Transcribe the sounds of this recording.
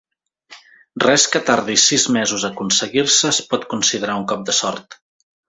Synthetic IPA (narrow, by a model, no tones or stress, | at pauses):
rɛskət̪aɾðisizmɛzuzəkunsəɣiɾsəspɔt̪kunsiðəɾauŋkɔp̚d̪əsɔrt̪